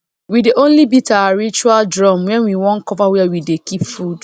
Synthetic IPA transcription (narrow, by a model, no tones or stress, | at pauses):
wideʔõnlibitaɹit͡ʃualdɹɔmwɛ̃nwiwɔ̃nkɔvawɛawidekipfud